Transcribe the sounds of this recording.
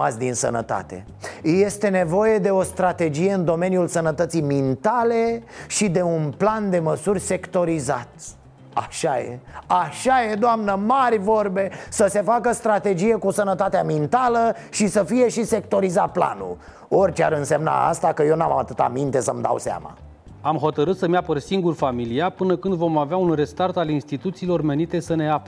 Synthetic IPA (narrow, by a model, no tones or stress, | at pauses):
a̰sʲd̪insə̰nə̰t̪a̰t̪e̞̰ | je̞st̪e̞ne̞vo̞je̞d̪e̞o̞st̪ɾat̪e̞d͡ʒije̞ɨnd̪o̞me̞njulsənət̪ət̪sijmint̪ale̞ʃid̪e̞unpland̪e̞məsurʲse̞kt̪o̞ɾiza̰t̪ | a̰ʃajḛaʃaje̞d̪oamnəmarʲvo̞rbe̞səse̞fakəst̪ɾat̪e̞d͡ʒije̞kusənət̪at̪eamint̪aləʃisəfije̞ʃise̞kt̪o̞ɾizat̪̚pla̰nṵl | o̞rʲt͡ʃea̰ɾɨnse̞mna̰a̰st̪akəje̞wnama̰t̪ɨt̪a̰mint̪e̞səmd̪a̰wsea̰ma̰ | amɦo̞t̪əɾɨt̪səmapərsiŋɡurfamiliapɨnəkɨnd̪vo̞maveaunre̞st̪art̪alinst̪it̪ut̪siːlo̞rme̞nit̪e̞səne̞ap